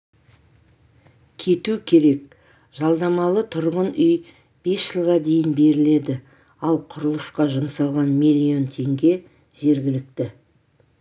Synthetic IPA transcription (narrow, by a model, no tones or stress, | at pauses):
kʲʰe̞t̪ukʲʰe̞ɾe̞k̚ | ʒ̥ɑlˠd̪ɑmɑlˠət̪ʰʊɾʁənʏj | b̥e̞sʒ̥əlˠʁɑd̪e̞jɪnbe̞ɾɪle̞d̪ɪ | ɑlˠqʰʊɾəlˠəsqɑʒəmsɑlˠʁɑnmilʲːio̞nt̪ʰe̞ŋɡʲe̞ | ʒ̥e̞ɾɡʲɪlɪk̚t̪ɪ